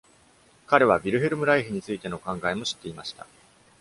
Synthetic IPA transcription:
kaɾe̞β̞abʲiɾɯ̟ɦe̞ɾɯ̟mɯ̟ɾaiɦɯ̟ɲ̟it͡sɨit̪e̞no̞kãŋɡaemo̞ɕi̥t̪ːe̞imaɕi̥t̪a̰

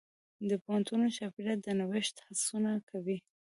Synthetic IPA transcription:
d̪əpohant̪unoʃafiɾat̪̚d̪ənawɪʃt̪hasunakʰawi

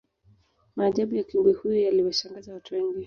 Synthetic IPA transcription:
maːʄaɓujakimbuihujɔjaliwaʃaŋɡazawatuwɛŋɡi

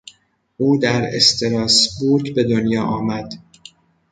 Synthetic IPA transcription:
ʔuːd̪æɾest̪ʰeɾɒːsbuɾɡbe̞d̪onjɒːʔɒːmæd̪

